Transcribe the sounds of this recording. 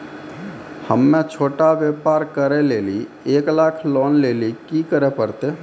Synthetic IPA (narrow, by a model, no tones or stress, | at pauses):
həmːẽt͡ʃʰoːʈaʋjeːpaːɾkəɾeleːli | eːklaːkʰlɔːnleːlikikəɾepəɾt̪eː